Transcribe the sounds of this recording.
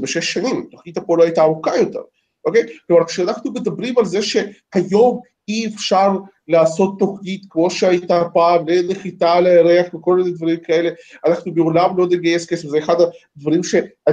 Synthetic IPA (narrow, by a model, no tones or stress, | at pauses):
beʃeʃːanimt̪oχnit̪apoloajt̪aːmukajo̞t̪ḛʁ | ʔokejklomaɾʁkʃeanaχnumed̪abʁimalze̞ʃe̞hajo̞m | iefʃaʁ | laːso̞t̪ːoχnit̪kmo̞ʃeajt̪apaːmleneχit̪aleeɾeaχveko̞lminedvaʁimkae̞le̞anaχnubeolamlo̞neɡajeskesefzeeχad̪ad̪vaʁimʃe̞a